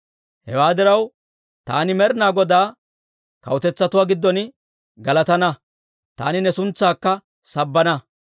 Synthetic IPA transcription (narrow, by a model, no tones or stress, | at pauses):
hɛ̰waːd̪ɪɾɐw | t̪a̰ːnɪmɛɾnaːɡɔd̪aː | kɐ̰wʊt̪ɛt͡sːɐt̪ʊwaːɡɪd̪ːɔn | ɡɐlɐt̪ɐnɐ | t̪a̰ːnɪnɛsʊnt͡sːaːkːɐ | sɐbːɐnɐ